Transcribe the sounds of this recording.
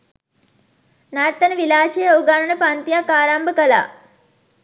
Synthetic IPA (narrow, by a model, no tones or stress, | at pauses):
naɾt̪ːɐnəʋilaːʃejəuɡanənəpant̪ijakːaːɾambəkəla̰ː